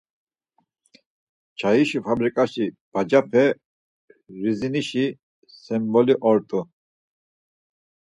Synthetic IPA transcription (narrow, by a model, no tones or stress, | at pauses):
t͡ʃʰaiʃupʰabɾikʼaʃib̥ad͡ʒapʰɛ | ɾiziniʃi | sɛmbɔliʔɔɾt̪ʼu